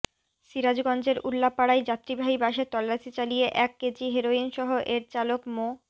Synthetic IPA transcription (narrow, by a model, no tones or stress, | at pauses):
ʃiɾad͡ʑɡɔnd͡ʑeɾʔulːapaɽajd͡ʑat̪ːɾibʱaɦibaʃet̪ɔlːaʃit͡ɕalijeʔɛkːed͡ʑiɦeɾoinʃɔɦoʔeɾt͡ɕalokmo